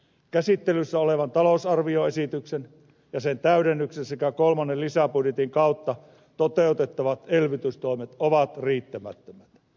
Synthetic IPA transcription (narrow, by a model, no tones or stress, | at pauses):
kæsit̪ːelysːæoleʋɑnt̪ɑlosɑrʋioesit̪yksen | jɑsent̪æyɾenːyksensekækolmɑnːelisæpudjet̪iŋkɑˑut̪ːɑ | t̪ot̪eˑut̪et̪ːɑʋɑt̪elʋit̪yst̪oˑimet̪oʋɑt̪riːt̪ːæmæ̰t̪ːømæt̪